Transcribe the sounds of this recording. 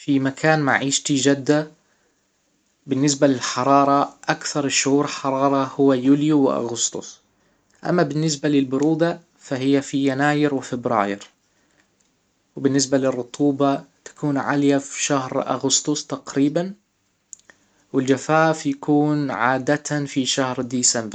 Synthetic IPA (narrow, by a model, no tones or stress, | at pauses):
fimakʰaːnma̰ʕiːʃt̪id͡ʒad̪ːa | bɪnːɪsbalɪlħɑɾˤɑːɾˤɑʔakθɑɾˤʃʊhuːɾɪlħɑɾˤɑːɾˤɑhʊwːajuːljuwɪʔa̰ɣʊst̪ʊ̰sˤ | ʔa̰mːabɪnːɪs̬balɪlbʊɾuːd̪a | faɦɪjːafijanaːjɪɾwɪfɪbɾɑ̰ːjɪɾ | wbɪnːɪsbalɪrˤːʊt̪ʰˤuːbat̪ḁkuːnʕa̰ljafiʃahɾʔa̰ɣʊst̪ʊsˤt̪aqɾiːban | wɪld͡ʒafaːfjakuːnʕaːd̪at̪afiʃahɾd̪iːsambɾ